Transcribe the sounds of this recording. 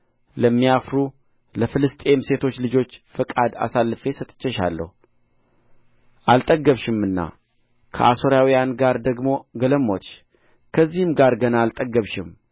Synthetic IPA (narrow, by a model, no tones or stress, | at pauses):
ləmːijafɾu | ləfɨlɨst̪ʼe̞mse̞t̪ʰo̞t͡ʃːlɨd͡ʒo̞t͡ʃːfəkʼad̪a̰salːɨfe̞sət̪ʼɨ̥t͡ʃʼːɛʃa̰lːə̰hu | ʔalt̪ʼəɡəβʃɪmɨnːa̰ | kʰə̰ʔaso̞ɾjawijanɡaɾd̪əɡmo̞ɡələmːot̪ʃ | kʰəzːihɨmɡaɾɡənaːlt̪ʼəɡːəβʃɪm